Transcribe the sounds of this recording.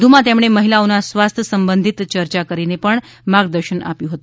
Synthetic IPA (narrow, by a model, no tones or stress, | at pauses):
d̪ʱumãt̪emɽ̃eməɦilaonasʋast̪ʰjəsəmbənd̪ʱit̪t͡ʃəɾt͡ʃakəɾinepəɳ | maɡd̪əɾʃəna̰pjũɦət̪u